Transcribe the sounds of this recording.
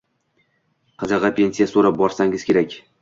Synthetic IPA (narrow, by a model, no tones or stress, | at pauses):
qʰɑzɑʁɑpʰʲe̞nʲsijasoɾap̚bɒɾsaŋɪz̥kʲe̞ɾakʲ